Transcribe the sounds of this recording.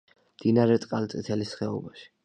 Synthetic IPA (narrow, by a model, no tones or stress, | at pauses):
md̪inaɾɛt̪ʼqʼalt̪sʼit̪ʰɛlisχɛɔ̰baʃi̥